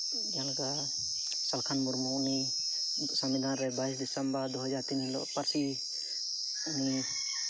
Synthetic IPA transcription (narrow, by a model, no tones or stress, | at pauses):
d͡ʒɛalaɡa | salkʰanmuɾmuuni | samid̪ʱanɾɛbais̬d̪isəmbaɾd̪uɦad͡ʒaɾt̪inɛlɔ̰ʔpaɾsi | uni